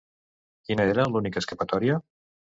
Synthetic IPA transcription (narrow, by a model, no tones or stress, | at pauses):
kinəeɾalunikəeskəpat̪ɔɾiə